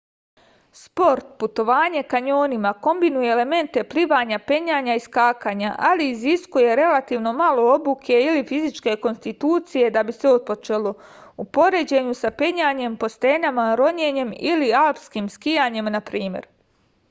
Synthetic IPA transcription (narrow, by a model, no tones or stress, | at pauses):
spo̞ɾt̪̚put̪o̞ʋaːɲe̞kaɲo̞ːnimako̞mbinuje̞ːleme̞nt̪e̞pliʋaːɲape̞ɲaːɲaiskaːkaːɲaʔaliːziskuje̞ɾe̞lat̪iːʋno̞malo̞o̞bukʰe̞ilifizit͡ʃke̞ko̞nst̪it̪uːt̪sije̞d̪abiseot̪̚po̞t͡ʃe̞lˠo̞ | upo̞ɾe̞d͡ʑe̞ɲusape̞ɲaːɲe̞mpo̞st̪e̞ːnamaɾo̞ɲeɲe̞milialpskiːmskijaːɲe̞mnapɾiːmje̞̰ɾ